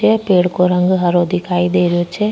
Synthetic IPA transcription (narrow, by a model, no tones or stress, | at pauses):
epeːɽkoːɾə̃ŋɡɦəɾod̪ɪkʰaːid̪eːɾɪoːt͡ʃe